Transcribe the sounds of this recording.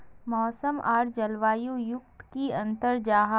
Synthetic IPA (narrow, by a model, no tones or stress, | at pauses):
mɔːsəmʔaːɾd͡ʒɐlʋaːjujʊk̚t̪kiɐ̃nt̪əɾd͡ʒaːɦ